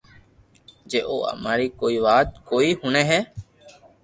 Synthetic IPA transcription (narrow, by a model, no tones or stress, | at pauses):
d͡ʒeːʔo̰ːə̰maːɾiːkoːiːʋaːt̪̚koːiːhʊneːɦɛː